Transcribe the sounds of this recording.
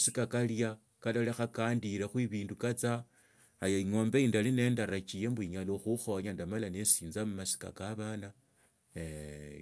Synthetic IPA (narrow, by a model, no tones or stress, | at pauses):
sikakalja | kalolexakaːndiɾexwiβiːndukat͡saː | jaiŋo̞ːmbeindaline̞ːndaɾat͡ʃijembwiɲaloxuxo̞ɲandamalanesiːnzamumasi̥ka̰kaβana